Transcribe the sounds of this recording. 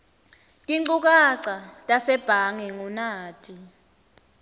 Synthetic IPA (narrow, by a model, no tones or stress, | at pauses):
kʼiŋ͡ǃuk̬aǀatʼasɛb̥ʱaŋɛŋunaːtʼi